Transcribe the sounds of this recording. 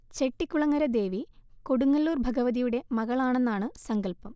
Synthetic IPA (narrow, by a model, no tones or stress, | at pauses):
t͡ɕe̞ʈːikʲːuɭɐŋːɐɾɐd̪e̞ːʋiko̞ɽuŋːɐlːuːrbʱɐɡɐʋɐðijuɽe̞mɐɣɐɭaːɳe̞nːaːɳɨsɐŋɡɐɭpɐm